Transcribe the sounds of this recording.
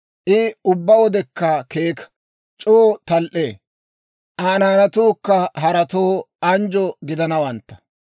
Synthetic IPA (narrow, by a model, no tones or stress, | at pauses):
ʔɪʊbːɐwɔd̪ɛkːɐkeːk | t͡ʃʼoːt̪ɐlʔeː | ʔaːnaːnɐt̪uːkːɐɦɐɾɐt̪oː | ɐnd͡ʒɔɡɪd̪ɐnɐwɐnt̪ːɐ̥